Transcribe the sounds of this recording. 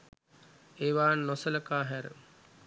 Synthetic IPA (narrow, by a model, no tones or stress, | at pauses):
eːʋaːnnosələkaːɦæɾə̰